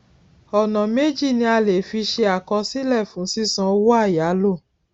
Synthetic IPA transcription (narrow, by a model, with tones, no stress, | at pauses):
ɔ˨nã˨me˦d͡ʒi˦˨nĩ˧˦a˧le˨fi˧ʃe˧a˨kɔ˧si˦lɛ˦˨fũ˨˦si˦sã˧wo˦a˦˨ja˨˦lo˦˨